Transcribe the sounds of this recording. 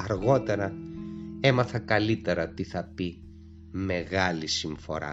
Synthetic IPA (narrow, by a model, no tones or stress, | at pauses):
ɐɾɣo̞t̪e̞ɾɐ | e̞mɐθɐkɐlit̪e̞ɾɐt̪iθɐpi | me̞ɣɐlisiɱfo̞ɾɐ̰